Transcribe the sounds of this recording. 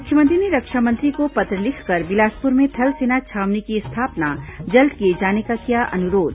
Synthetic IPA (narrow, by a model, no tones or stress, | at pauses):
mmʊkʰjəmɐ̃nt̪ɾineɾɐkʃamɐ̃nt̪ɾikopɐt̪ɾəlɪkʰkɐɾbɪlaːspʊɾmẽt̪ʰɐlseːnat͡ʃʰaːʋnekist̪ʰaːpnad͡ʒɐlt̪ked͡ʒaːnekakijaʔɐnʊɾoːd̪